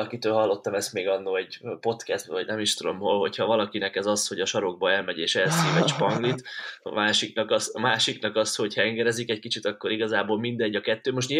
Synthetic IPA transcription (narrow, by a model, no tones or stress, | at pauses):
ɒkit̪øːlɦɒlːo̞t̪ːɒmɛst̪meːɡɒnːolɛɟpo̞t̪kɛst̪̚bvɒɟnɛmiʃt̪ud̪o̞̰mɦolɦo̞chɒvɒlɒkinɛkɛzɒsho̞ɟɒʃɒɾo̞ɡ̚bɒɛlmɛɟeːʃɛlsiːvɛʃpɒŋɡlit̪ɒ̰maːʃiknɒkɒsɒmaːʃiknɒkɒsho̞chɛŋɡɛɾɛzikɛc̚kit͡ʃit̪ɒkːo̞ɾiɡɒzaːboːlmind̪ɛɟːɒkɛt̪ːøːmo̞ʃ̬tɲi